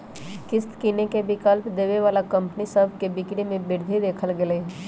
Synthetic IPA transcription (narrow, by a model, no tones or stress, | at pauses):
kɪst̪kiːnekebɪkəlpd̪eːʋeʋaːlakɐ̃mpnisəbʱkebɪkɽimẽbɪɾd̪ʱid̪eːkʰəlɡeleː